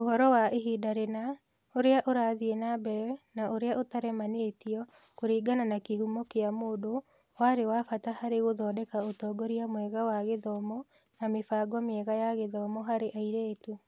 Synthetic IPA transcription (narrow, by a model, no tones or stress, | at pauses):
ohɔɾɔwaeɦidaɾena | oɾeaʔoɾaːðienabɛɾɛnaʔoɾeaʔotaɾɛmaneːtiɔkoɾiːɡananakeɦumɔkeamoːdo | waɾewafatahaɾeɣoðɔdɛkaotɔːɡɔɾiamwɛɣawaɣeðɔmɔ | namefaːɡwɔmɛɣajaɣeðɔmɔɦaɾeʔaiɾeːtu